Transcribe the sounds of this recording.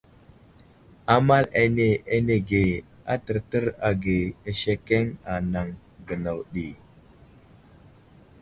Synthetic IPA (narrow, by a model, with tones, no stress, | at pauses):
a˦ma˦le˨ne˨e˦ne˨ɡe˨ | a̰˦tə˨ɾtə˦ɾa˨ɡe˨e˨ʃe˦ke˦ŋa˨na˨ŋ | ɡə˨na˨wɗi˨